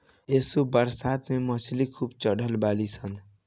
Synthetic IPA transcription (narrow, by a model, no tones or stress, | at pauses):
esubəɾsat̪meməslikʰuːbt͡ʃəɽʱəlbaːlisʰən